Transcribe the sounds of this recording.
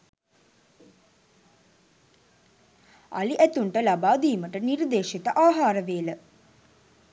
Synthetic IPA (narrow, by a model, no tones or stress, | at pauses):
a̰liʔæt̪uɳʈəlabaːd̪iːməʈənird̪eːʂit̪əʔaːɦaːɾəʋeːlə